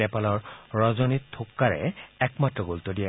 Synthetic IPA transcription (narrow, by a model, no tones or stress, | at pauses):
ɛpalɔɹɹɔzɔnitʰːokːaɹɛ̰ɛkmatɹɔɡolt̪odija